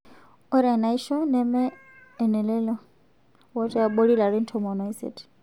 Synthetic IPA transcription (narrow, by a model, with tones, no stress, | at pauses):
ɔ˦ɾi˨a˨na˨i˦ʃɔ˦nɛmɛ | ɛ˨nɛ˨lɛ˦lɔ˦ | wa˦t͡ʃʼɛ˦a˨ɓoɺi˦la˨ɾi˦n̩˦tʰɔmɔ˨nɔ˨isɛ̰tʰ